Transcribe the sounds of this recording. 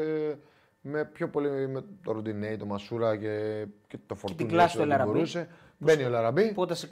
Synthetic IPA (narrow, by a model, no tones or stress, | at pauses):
me̞pço̞po̞limet̪oɾod̪ineit̪o̞mɐsuɾɐce̞cet̪o̞foɾt̪unlɐasolɐɾɐoɾuse̞ | beniolɐɾɐbipot̪ɐsik